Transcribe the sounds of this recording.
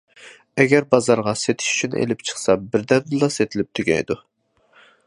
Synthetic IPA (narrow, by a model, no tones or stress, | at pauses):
ɛɡʲɛɾbɑzɑɾʁɑset̪ʰɪ̥ʃy̥t͡ʃʰynʔḛlɪpt͡ʃʰə̥χsɑbɪɾd̪ɛnd̪ɨlˠɑset̪ʰɪlɪp̚t̪ʰyɡʲɛ̰jd̪u